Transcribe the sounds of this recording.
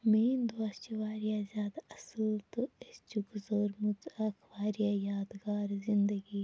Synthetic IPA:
meːnd̪ɐst͡ʃiʋaːɾijazʲjaːd̪aɐsəlt̪oest͡ʃukzoːɾmut̪ɐkʰʋaːɾijaːjaːd̪ɡaːɾzɪnd̪ɐɡiː

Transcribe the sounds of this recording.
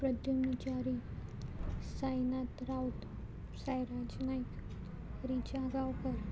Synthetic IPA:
pɾəd̪jumnət͡ɕaɾi | sajnat̪ɾawt̪ | sajɾad͡ʑnajk | ɾit͡ɕaɡawkəɾ

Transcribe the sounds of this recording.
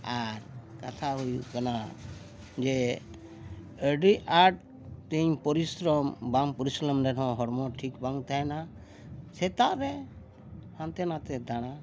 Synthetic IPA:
aɾkat̪ʰaɦujukana | d͡ʒɛ | əɖiaʈ̚ | t̪ɛɲpɔɾisɾɔmbampɔɾislɔmɾɛɖɔ̃ɦɔɾmɔʈʰikbaŋt̪ʰaɛna | sɛt̪aʔɾɛ | hãnt̪ɛnat̪ɛd̪aɽ̃a

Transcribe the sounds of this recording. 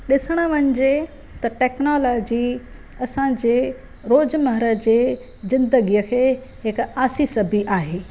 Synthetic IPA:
ɗɪsəɽ̃əʋɐɲd͡ʑe | t̪ɐʈɛːknoːloːd͡ʑi | ɐsãd͡ʑeː | ɾoːd͡ʑmɐɦɾəd͡ʑeː | zɪ̃nd̪əɡijəkʰeː | ɦɪkaːsisɐbʱiʔaːɦeː

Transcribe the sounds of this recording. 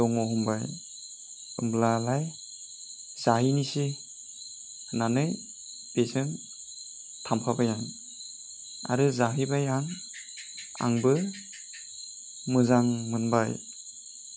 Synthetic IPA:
dɔŋɔɦumbaj | ɯmblalaj | z̥aɦinisi | nanɯj | b̥esɯn | tʰampʰabajaŋ | a̰ɾɯzaɦibajaŋ | a̰ŋbɯ | mɯzaŋmɯnbaj

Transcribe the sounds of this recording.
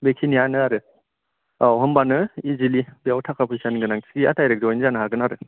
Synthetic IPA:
bekʰinianɯaɾɯ | awɦɔmbanɯizilibeawtʰakʰapʰɯjsaniɡɯnaŋsiɡia̰tʰajɾek̚zɔjnzanɯɦaɾɡɯnaɾɯ

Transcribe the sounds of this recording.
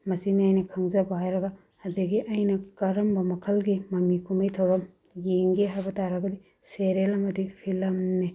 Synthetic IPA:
mɐsiniajnɐkʰɐŋzɐbajɾɐɡaː | diɡiʔɐjnɐkɐɾɐmbɐmɐkʰɐlɡimɐmikʰumɐjtʰɐwɾɐm | jeŋɡeɦajbɐtaɾɐɡɐdi | seɾelɐmɐdipʰilɐmne

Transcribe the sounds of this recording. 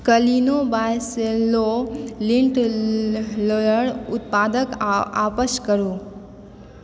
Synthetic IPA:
kəlinobajselolɪ̃ɳʈ | ljəɽʊt̪paːd̪əka̰ːpəʃkəɾuː

